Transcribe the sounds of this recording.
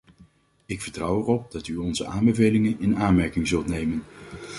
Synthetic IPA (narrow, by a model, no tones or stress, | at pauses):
ɪkfəɹtrʌwɛrɔp̚dɑtyɔnzəʔaːmbəvejlɪŋənɪnaːnmɛɹkɪŋzɵlˠtnejmən